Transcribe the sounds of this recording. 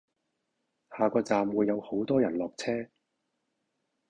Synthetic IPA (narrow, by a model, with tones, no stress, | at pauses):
haː˨˧kɔː˧t͡saː˨mwuː˨˧jːɐ˨˧who˨˥wt̪ɔː˥jɐ˨˩nlɔː˨k̚t͡sʰɛː˥